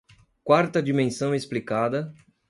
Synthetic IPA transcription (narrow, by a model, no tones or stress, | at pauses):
kwaɾt̪ɐd͡ʒimẽsɐ̃w̃esplikad̪ɐ